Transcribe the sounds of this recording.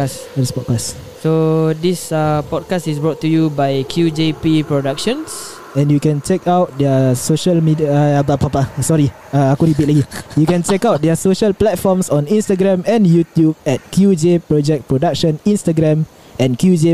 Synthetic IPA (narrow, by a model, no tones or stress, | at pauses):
as | ɛtispɔt̚kas | sodisapɔd̚kastisbɹɔtːujubajkʰjud͡ʒepipɹodakʃə̃ns | ɛ̃njukɛ̃nt͡ʃɛkʰawt̚dɛəsoʃəlmidiabapapasɔɹi | aakuɾibit̚lakijukɛ̃nt͡ʃɛkawt̚dɛasoʃəlplɛt̚fɔmsɔ̃nĩnstaɡɹɛ̃mɛ̃njutjub̚ɛt̚kʰjud͡ʒepɹɔd͡ʒɛk̚pɹodak̚ʃə̃nĩnstaɡɾɛ̃m | ɛ̃nkjud͡ʒe